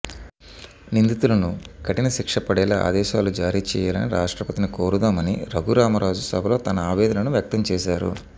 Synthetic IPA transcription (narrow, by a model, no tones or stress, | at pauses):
nind̪it̪ulɐnukɐʈinɐʃikʂɐpɐɽɛːlɐa̰ːd̪ɛːʃaːlud͡ʒaːɾiːt͡ʃɛːjaːlɐ̰niɾa̰ːʂʈɾɐpɐt̪inikoːɾud̪aːmɐnḭɾɐɡuɾaːmɐɾaːd͡ʒusɐbʱɐlo̞ːt̪ɐnɐaːʋɛːd̪ɐnɐnuʋjɐk̚t̪ɐmt͡ʃɛːʃaːɾṵ